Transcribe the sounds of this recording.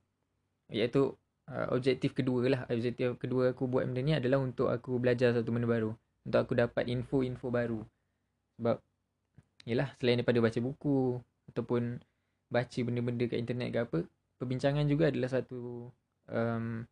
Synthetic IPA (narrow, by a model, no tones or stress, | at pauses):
jat̪u | ə̰ʔɔ̰b̚d͡ʒɛk̚t̪ifkəduəlahɔb̚d͡ʒɛk̚t̪ifkəduəakubua̰t̪̚mədəniadalaɦunt̪ʊka̰kubəlad͡ʒars̬at̪ubəndəbaɾu | unt̪ʊkakudapat̪infoinfobaɾu | səbap̚ | ijəlahsəlajindajpadabat͡ʃəbuku | at̪awpʊn | bat͡ʃəbəndəbəndəkə̰ʔint̪ərnɛ̰t̪̚kəapə | pərbiɲt͡ʃaŋãnd͡ʒuɡaːdalahsat̪u | ʔəm